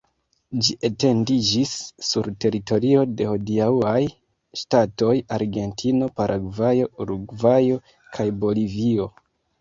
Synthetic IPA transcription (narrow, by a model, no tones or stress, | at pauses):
d͡ʒiʔete̞ndid͡ʒisːuɾte̞ɾito̞ɾio̞de̞ho̞diauaj | ʃtato̞jaɾɡe̞ntʰino̞paɾʔaɡvajo̞ɾuɡvajo̞ | kʰajbo̞livio̞